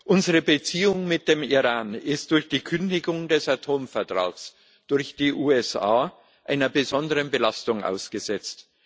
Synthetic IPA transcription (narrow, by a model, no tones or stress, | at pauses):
ʔʊnzəʁəbət͡siːʊŋmɪt̚d̥eːmiʁaːnɪst̚d̥ʊɐçd̥iːkʰʏndɪɡʊŋdɛsatʰoːmfɛɐtʁ̥a̰ːɡs | d̥ʊɐçd̥iːʔuːɛsaː | ʔaɪnɐbəzɔndəʁənbəlastʊŋʔa̰ʊsɡ̥əzɛt͡st